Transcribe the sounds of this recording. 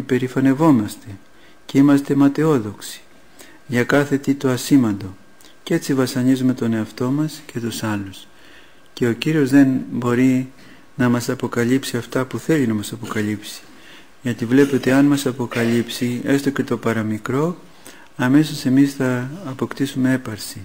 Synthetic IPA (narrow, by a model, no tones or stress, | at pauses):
ipe̞ɾifɐne̞vo̞mɐst̪e̞ | ce̞imɐst̪e̞mɐt̪e̞o̞ðo̞ksi̥ | ʝɐkɐθe̞t̪it̪o̞ɐsimɐnd̪o̞ | cee̞t͡sivɐsɐɲizume̞t̪o̞ne̞ɐft̪o̞mɐsce̞t̪usɐlus | ce̞o̞ciɾio̞zðe̞nbo̞ɾi | nɐmɐsɐpo̞kɐlipsiɐft̪ɐpuθe̞linɐmɐsɐpo̞kɐlipsi̥ | ʝɐt̪ivle̞pot̪eɐnmɐsɐpo̞kɐlipsie̞st̪o̞ce̞t̪o̞pɐɾɐmikɾo̞ | ɐme̞sose̞misθɐːpo̞kt̪isume̞e̞pɐɾsi